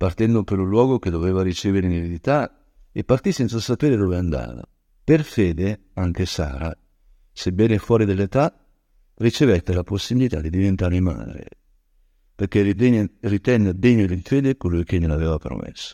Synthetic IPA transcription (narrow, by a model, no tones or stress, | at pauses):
part̪ɛnd̪opeɾulwɔːɡok̟ed̪oveːvaɾit͡ʃeːveɾeinevid̪it̪a | epːart̪isɛnt̪sasapeːɾed̪oveand̪a̰ːva̰ | perfeːd̪eaŋk̟esa̰ːɾa | sebɛːnefwɔːɾid̪elːet̪a | rit͡ʃevɛt̪ːelaposːibilit̪a̰d̪id̪ivent̪aɾima̰ːd̪ɾḛ | perk̟erit̪ɛnːed̪eɲːod̪ifeːd̪ekolujkenelaveːvapɾo̰mḛsːo̥